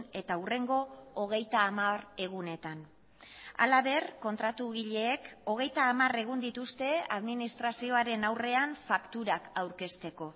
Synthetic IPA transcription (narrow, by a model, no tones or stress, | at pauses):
ne̞t̪aure̞ŋɡo̞ːɣ̞e̞jt̪aːmare̞ɣune̞t̪an | a̰laβe̞rko̞nt̪ɾat̪uɣiʎe̞ːko̞ɣ̞e̞jt̪aːmare̞ɣ̞und̪it̪ust̪e̞a̰ðminist̪ɾasio̞aɾe̞nawre̞anfakt̪uɾakawɾke̞st̪e̞ko̞